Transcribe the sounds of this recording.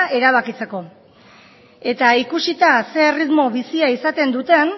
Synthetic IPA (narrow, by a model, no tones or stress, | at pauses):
e̞ɾaβ̞akit͡se̞ko̞ | e̞t̪aikusit̪ase̞ːrizmo̞βisiaisat̪e̞nd̪ut̪e̞n